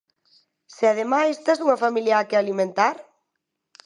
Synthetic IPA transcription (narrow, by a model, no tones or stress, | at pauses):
seaðemajest̪esuŋɐfamiljaakealimẽnt̪aɾ